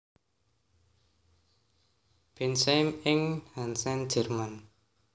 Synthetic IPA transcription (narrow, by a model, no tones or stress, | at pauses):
b̥ɛnsɛmɪŋhansɛnd͡ʒɛ̤rman